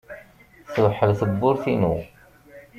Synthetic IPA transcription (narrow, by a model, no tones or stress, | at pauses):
θəwħəlθəbːʊɾθinṵ